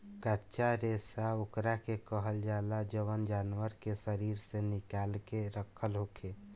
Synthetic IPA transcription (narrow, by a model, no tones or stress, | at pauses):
kətːʃaɾesaokɾakekəɦəld͡ʒalad͡ʒəʋənd͡ʒanʋəɾkesəɾiɾsẽnikalkeɾəkʰəlɦokʰe